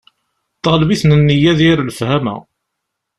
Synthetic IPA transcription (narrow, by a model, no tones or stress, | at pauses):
t̪ːʁlbiθnənːijæðiɾlfhæmæ̰